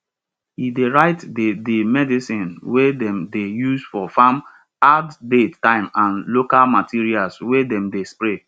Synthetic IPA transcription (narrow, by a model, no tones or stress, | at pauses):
hideɹaɪtddemɛdisĩnwedɛ̃mdejusfɔfam | addeãɪ̃mãnlokalmatʰiɹialswedɛ̃mdespɹe